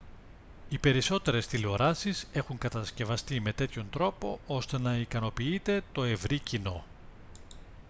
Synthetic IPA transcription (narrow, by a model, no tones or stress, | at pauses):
ipe̞ɾiso̞t̪e̞ɾe̞st̪ilo̞ɾɐsise̞xuŋkɐt̪ɐsce̞vɐst̪ime̞t̪e̞t̪ço̞nt̪ɾo̞po̞ʔo̞st̪e̞nɐikɐno̞piit̪e̞t̪o̞e̞vɾicino̞̰